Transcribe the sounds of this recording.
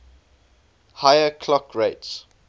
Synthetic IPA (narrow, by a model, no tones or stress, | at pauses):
hajəkʰlɔkʰɹeɪts